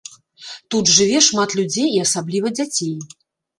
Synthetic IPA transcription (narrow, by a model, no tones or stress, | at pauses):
t̪ud̪ʐɨvʲɛʂmat̪lʲud͡zʲejiɐsablʲivɐd͡zʲat͡sʲej